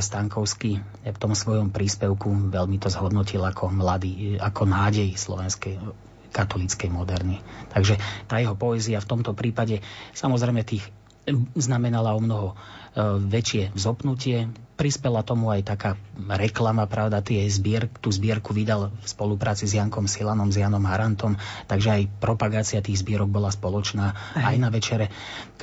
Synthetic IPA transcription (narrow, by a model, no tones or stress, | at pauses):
st̪aŋkɔʊski | kt̪ɔmsʋɔjɔmpɾiːspɛʊkuʋɛlmit̪ɔzɦɔd̪nɔcilakʰɔmlad̪iːakʰɔnaːɟɛjslɔ̰ʋɛnskɛ | kat̪ɔlit͡skɛjmɔd̪ɛɾnit̪aɡʒɛt̪aːjɛɦɔpɔɛziaft̪ɔmt̪ɔpɾiːpaɟɛsamɔzɾɛjmɛt̪iːx | znamɛnalaɔmnɔɦɔ | ʋɛt͡ʃɪɛzɔpnucɪɛpɾispɛlat̪ɔmuajt̪akaːɾɛklamapɾaʊd̪at̪ɪɛzbɪɛɾkt̪uːzbɪɛɾkuʋid̪alfspɔlupɾaːt͡sizjaŋkɔmsilanɔmzjaːnɔmɦaɾant̪ɔmt̪aɡʒɛajpɾɔpaɡaːt͡siat̪iːɣzbɪɛɾɔɡ̚bɔlaspɔlɔt͡ʃnaːajnaʋɛt͡ʃɛɾɛ